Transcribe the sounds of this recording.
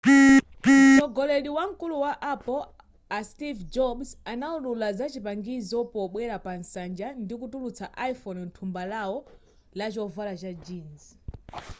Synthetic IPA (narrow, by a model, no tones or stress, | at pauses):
ɔɡɔlɛɗiwaŋ̩kuluwaʔapɔl | astivd͡ʒɔbsanaululazat͡ʃipaŋɡizɔpɔɓwɛɾapansand͡ʒandik̬utulut͡saʔaifɔnntʰumbalawɔ | lat͡ʃɔvalat͡ʃad͡ʒiːnz